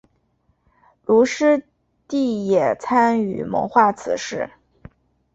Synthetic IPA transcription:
lu˧˥ʂɻ̩˥ | t̪i˥˩jɛ˨˩t͡sʰa˥ny̰˨˩mɤ̰˧˥ŋxwa˥˩t͡sʰɹ̩˨˩ʂɻ̩˥˩

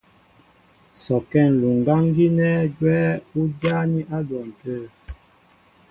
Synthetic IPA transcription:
sɔ˨kɛ˦˨n˨lu˨ŋ˨ɡa˦ŋ˦ɡi˦nɛ˦d͡ʒwɛː˦u˦dja˦ni˦ʔa˦dwɔ˨n̩˨tə˦˨

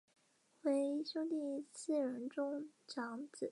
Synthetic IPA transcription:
we˧˥ɪɕjo˥ʊt̪i˥˩t͡sʰɹ̩˥˩ɻə˧˥nʈ͡ʂʊ˥ŋʈ͡ʂɑ˧˥ŋt͡sɹ̩˨˩˦

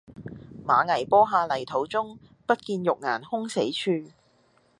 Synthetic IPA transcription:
maː˨˧ŋɐ˨˩jpɔː˥ɦaː˧lɐ˨˩jt̪ʰo˨˥wt͡sʊ˥ŋ | pɐ˥t̚kiː˧njʊ˨k̚ŋaː˨˩nhʊ˥ŋse˨˥jt͡ʃʰyː˧

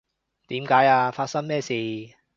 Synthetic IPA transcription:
t̪iː˨˥mkaː˨˥jaː˧faː˧t̚sɐ˥ŋmɛː˥˩siː˨

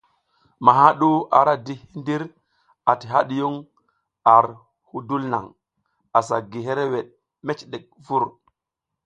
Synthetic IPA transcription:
ma˨ɦa˦ɗu˦ʔa̰˨ɾa˦di˦hi˦ndi˦ɾ | a˨ti˨ɦa˦ɗi˨ju˦ŋ | a˨ɾ | hu˦du˦lna̰˨ŋ | a˨sa˨ɡi˨ɦe˦ɾe˦we˨ɗ | me˦t͡ʃɗe˨k̚vu˦ɾ

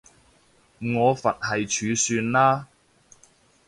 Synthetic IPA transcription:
ŋɔː˨˧fɐ˨t̚hɐ˨jt͡ʃʰyː˨˧syː˧nlaː˥

